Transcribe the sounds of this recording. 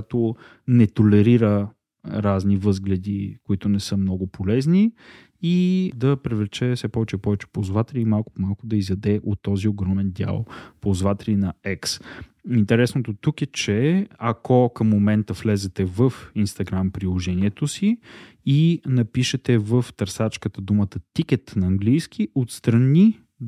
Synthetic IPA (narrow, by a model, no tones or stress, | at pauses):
t̪o | nɛt̪olɛɾiɾə | ɾaznivɤzɡlɛd̪ikoit̪ʊnɛsɤmnɔɡʊpolɛzni | id̪ɐpɾivlɛt͡ʃɛfsɛpɔvɛt͡ʃɛpɔvɛt͡ʃɛ̥pozvat̪ɛliimalˠkʊ̥pomalˠkʊd̪ɐizɐd̪ɛʔot̪ːɔzioɡɾɔmɛnd̪ʲja̰lˠpozvat̪ɛlinɐɛksint̪ɛɾɛsnot̪ot̪ukɛt͡ʃɛɐkɔkəmːomɛnt̪əflɛzɛt̪ɛvəfinst̪ɐɡɾampɾilˠoʒɛniɛt̪osi | inɐpiʃɛt̪ɛvəft̪ɐɾsat͡ʃkət̪əd̪umət̪ət̪ik̟ɛt̪nɐːŋɡlijsk̟ʰiʔot̪st̪ɾɐni